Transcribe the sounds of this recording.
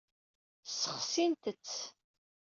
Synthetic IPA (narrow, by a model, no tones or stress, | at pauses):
səχsint̪ət͡sː